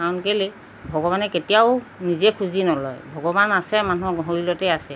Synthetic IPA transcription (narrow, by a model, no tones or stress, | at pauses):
kaɔnkeli | bʱɔɡɔβanɛketijaʊ | nizɛkʰuzinɔlɔjbʱɔɡɔbanasɛmanuɔɡɔɦoɹilɔtɛasɛ